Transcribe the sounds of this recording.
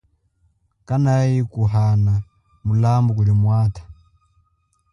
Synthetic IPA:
kanajikuɦana | mulambukuɾimwaːtḁ

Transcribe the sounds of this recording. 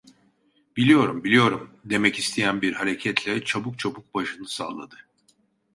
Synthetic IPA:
bilʲijo̞ɾumbilʲijo̞ɾumd̪e̞mɛcist̪ʰejænbiɾhaɾe̞cʰɛt̪ʰlʲɛt͡ʃʰabuk̚t͡ʃʰabuk̚baʃɯnɯsa̰ːlˠa̰d̪ɯ

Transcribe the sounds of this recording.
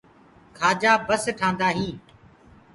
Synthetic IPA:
kʰaːd͡ʒaːbəsʈʰãːnd̪aːɦĩː

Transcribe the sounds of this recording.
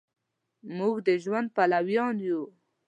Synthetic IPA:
muɡd̪əʒwand̪̚palawjɑnju

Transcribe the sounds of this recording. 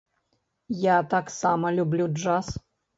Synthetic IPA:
jat̪aksamɐlʲublʲuʐas

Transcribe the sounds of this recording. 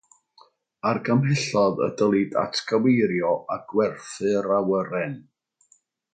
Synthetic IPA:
arɡəmhɪɬɔðə̰dəlˠida̰tʰkʰawejɾjɔaɡ̥wɛrθɨɾawəɾɛn

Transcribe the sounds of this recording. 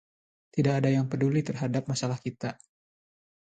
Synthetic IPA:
t̪idakadajaŋpədulit̪ərɦadap̚masalahkit̪a

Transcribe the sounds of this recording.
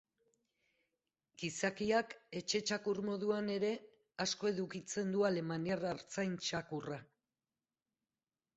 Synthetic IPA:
ɡ̥isakiake̞t͡ʃe̞t͡ʃakuɾmo̞ðuane̞ɾe̞ | asko̞e̞ðukit͡se̞nd̪uale̞maniaraɾt͡sajnt͡ʃakura

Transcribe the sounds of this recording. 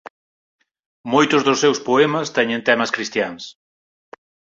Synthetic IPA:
mojt̪ʊzðʊsːewspoɛmɐst̪ɛɲẽnt̪ɛmɐskɾist̪jaŋs

